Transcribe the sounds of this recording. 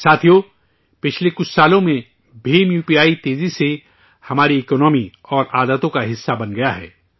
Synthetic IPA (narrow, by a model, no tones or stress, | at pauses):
saːt̪ʰijo | pɪt͡ʃʰlekʊt͡ʃʰsaːlõmẽ | bʱeːmjuːpijaːit̪eːzise | hɐmaːɾiekɔnɔːmi | ɔːɾʔaːd̪ət̪õkaɦɪsːabɐnɡɐjaɦɛ̰ː